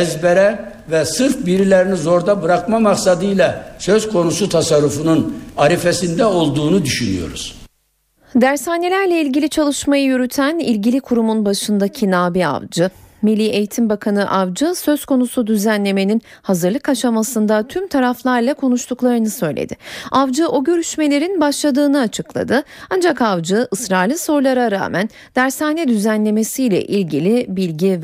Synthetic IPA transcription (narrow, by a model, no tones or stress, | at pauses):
ɛzbɛɾɛ | vɛsɯɾfbiɾilʲeɾinizo̞ɾd̪abɯɾakmamaksad̪ɯjlˠasøz̥kʰo̞nusut̪ʰasaɾːufununaɾifesind̪ɛo̞lˠd̪uːnud̪yʃynyjo̞̰ɾuz̥ | d̪æɾsaːnelʲæɾlʲɛilʲɟilʲit͡ʃʰalˠɯʃmajɯjyɾyt̪ʰænilʲɟilʲikʰuɾumunbaʃɯnd̪acʰinaːbia̰vd͡ʒɯmilʲːiːʔe̞jit̪ʰimbakʰanɯʔavd͡ʒɯsø̞z̥kʰo̞nusud̪yzænlʲe̞me̞nin | hazɯɾlˠɯkaʃamasɯnd̪at̪ʰymt̪ʰaɾaflˠaɾlˠakʰo̞nuʃt̪ʰuklˠaɾɯnɯsø̞jlʲḛd̪ɪʔavd͡ʒɯʔoɟø̞ɾyʃme̞lʲe̞ɾinbaʃlˠad̪ɯːnɯat͡ʃʰɯklˠa̰d̪ɯand͡ʒakavd͡ʒɯʔɯsɾaːlʲiso̞ɾlˠaɾaɾa̰ːmæn | d̪̥æɾsaːnɛd̪yzænlʲe̞me̞sijlʲɛ̰ʔilʲɟilʲibilʲɟi